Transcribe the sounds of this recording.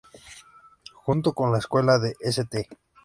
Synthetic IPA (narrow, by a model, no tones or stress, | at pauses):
xunt̪okonlaeskwe̞laðeʔeset̪e